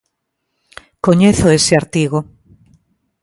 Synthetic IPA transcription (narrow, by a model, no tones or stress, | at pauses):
koɲeθoeseaɾt̪iɣo